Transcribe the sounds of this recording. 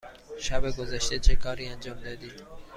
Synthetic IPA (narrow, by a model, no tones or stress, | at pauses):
ʃæbeɡozæʃt̪et͡ʃʰekʰɒːɾiːænd͡ʒɒːmd̪ɒːd̪iːd̪